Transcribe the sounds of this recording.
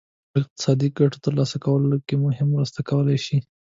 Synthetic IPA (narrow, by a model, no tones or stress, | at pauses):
ɪq̚t̪ɪ̥sɑd̪iɡaʈo̥t̪əɾlɑsakawəlolakemʊɦɪmɾəst̪akawəlajʃi